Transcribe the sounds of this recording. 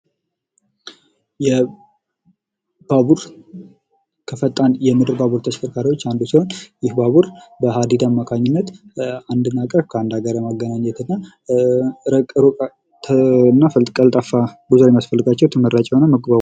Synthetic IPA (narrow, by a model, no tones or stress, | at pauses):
jɛ | b̥aβuɾ | kʰəfət̪ʼːanjɛmːɨd̪ɨɾbaβuɾt̪ʰəʃkʰəkʰaɾiwot͡ʃːand̪usiho̞njɪhbaβuɾbəɦad̪id̪amːakʰaɲːɪnːət̪and̪ɨnakʼəfkʰəand̪aɡəɾəmaɡːənaɲːɛt̪ɨnːa | ɾəkʼɨɾu | t̪ʰənːafɨlt̪ʼkʼəlt̪ʼafːaɡuzuɾeɲasfəlːɨɡat͡ʃːɛwt̪ʰəmərat͡ʃʼɛhnaməɡba